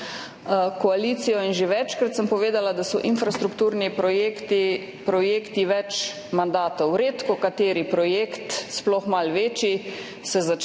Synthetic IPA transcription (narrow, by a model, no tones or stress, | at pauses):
kɔaliːt̪sijɔinʒeʋɛt͡ʃkɾat̪səmpɔʋeːd̪alad̪asɔʔinfɾast̪ɾukt̪uːɾni | pɾɔjeːkt̪iʋɛt͡ʃ | mand̪aːt̪ɔwɾeːt̪kɔkat̪eːɾipɾɔjeːkt̪splɔxmalʋeːt͡ʃi | sɛza